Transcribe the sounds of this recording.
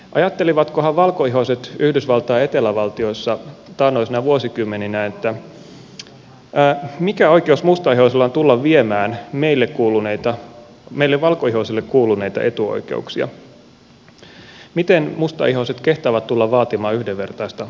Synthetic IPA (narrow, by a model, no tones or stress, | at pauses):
ʔɑ̰jɑt̪ːeliʋɑt̪kohɑʋʋɑlkoiɦoset̪yhdysʋɑlt̪ɑːet̪elæʋɑlt̪io̞isːɑt̪ɑːnːoisinæʋuosikymːeninænet̪ːæ | æːmikæo̞ikeusmust̪ɑihoselːɑont̪ulːɑʋʋiemæːnmeilːekkuːluneit̪ɑ | meilːeʋʋɑlkoihosilːekkuːluneit̪ɑ̰ʔe̞t̪uo̰ike̞̰uksiɑ̰ | mit̪enmust̪ɑ̰iɦoset̪keht̪ɑːʋæt̪t̪ulːɑʋʋɑːt̪imɑːyhdeʋːe̞rt̪ɑist̪ɑ